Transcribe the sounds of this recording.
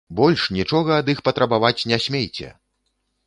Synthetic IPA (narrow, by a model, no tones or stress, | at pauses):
bɔlʲʂnʲit͡ʂɔɣɐːd̪ixpɐt̪ɾɐbavat͡sʲnʲasʲmʲejt͡sʲɛ̰